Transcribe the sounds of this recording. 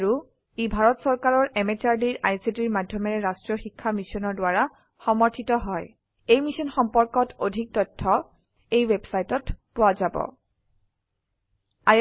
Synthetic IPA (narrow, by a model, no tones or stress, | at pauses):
ɹu | ibʱaɹɔtsɔɹkaɹɔɹʔemet͡ʃaɹdiɹʔajsitiɹmadʱjɔmɛɹɛɹastɹɔxikʰːamisɔnɔɹdwaɹa | xɔmɔɹtʰitɔɦɔj | ejmisɔnxɔmpɔɹkɔtʰodʱik̚tɔtʰːɔ | ejwebsajtɔtpowazabɔ̰ | a